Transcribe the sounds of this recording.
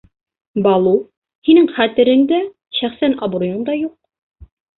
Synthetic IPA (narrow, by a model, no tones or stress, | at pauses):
bɑlˠu | hinɘŋχæt̪ɘ̆ɾɘ̆nd̪æ | ɕæχsænɑbɾujɤnd̪ɑjuq̚